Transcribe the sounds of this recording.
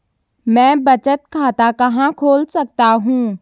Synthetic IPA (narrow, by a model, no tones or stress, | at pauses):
mɛ̃ːbɐt͡ʃət̪kʰaːt̪akɐɦãkʰoːlsɐk̚t̪aɦũː